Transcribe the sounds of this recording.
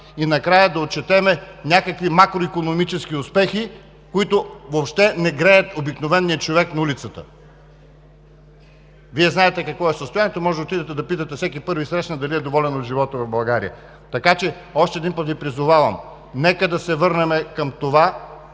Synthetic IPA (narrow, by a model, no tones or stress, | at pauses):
inɐkɾajəd̪ɐot̪̚t͡ʃːɛt̪ɛmɛnʲakəkvimakɾoikonomit͡ʃɛsk̟iʊspɛxi | koit̪ovopʃt̪ɛnɛɡɾɛjɐt̪obiknovɛnːijət͡ʃovɛknɐulʲit̪sət̪ə̰ | viɛznaɛt̪ɛkɐkvɔɛsəst̪ʊjanjɛt̪omɔʒot̪id̪ɛt̪ɛd̪ɐpit̪ət̪ɛfsɛk̬ipɤɾvisɾɛʃnɐd̪ɐliɛd̪ovɔlɛnot̪ʒivɔt̪əvɐvbɐlˠɡaɾḭə̰ | t̪ɐkat͡ʃɛ | ɔʃt̪ɛːd̪inpət̪vipɾizʊvavəm | nɛkəd̪ɐsɛvɤɾnɛmɛkɐmt̪ova